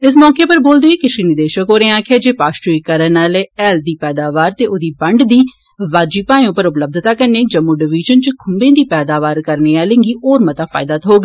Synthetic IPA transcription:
ɪs̬mɔːkeːpəɾboːld̪eːekɪʃiːnɪd̪eːʃəkɦoːɾẽːaːkʰaːd͡ʒeːpaːsʈɾiːkəɾənaːleːɛːld̪iːpɛːd̪aːʋaːɾt̪eːʔoːd̪iːbəɳɖd̪iː | ʋaːd͡ʒiːpaːj̃õːpəɾʊpləb̚d̪ʱt̪aːkənːeːd͡ʒəmːuːɖɪʋɪʒənt͡ʃəkʰʊmbẽːd̪iːpɛːd̪aːʋaːɾkəɾneːaːlẽːŋɡiːʔoːɾmət̪aːfʰa̰ːɪd̪aːt̪ɦoːɡ

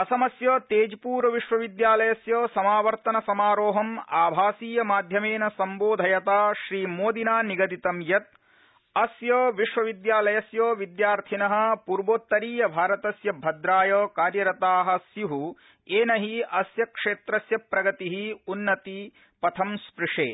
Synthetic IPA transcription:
ɐsɐmɐsjoːt̪eːd͡ʒipuːɾɐʋiʂʋɐʋid̪jaːlɐjɐsjoːsɐmaːʋɐɾt̪ɐnɐsɐmaːɾoːɦɐmaːbʱaːsiːjɐmaːd̪ʱjɐmeːnɐsɐmboːd̪ʱɐjɐt̪aːʃɾiːmoːd̪inaːniɡɐd̪it̪ɐmjɐt̪̚ | ɐsjoːʋiʃʋɐʋid̪jaːlɐjɐsjoːʋid̪jaːɾt̪ʰinɐɦɐ̆puɾboːt̪ːɐɾiːjɐbʱaːɾɐt̪ɐsjɐbʱɐd̪ɾaːjɐːkaːɾjɐɾɐt̪aːɦɐ̆sjuɦu | eːnɐɦiɐsjɐkʂeːt̪ɾɐsjɐpɾɐɡɐt̪iɦiunːɐt̪i | pɐt̪ʰɐmspɾɪʂḛː

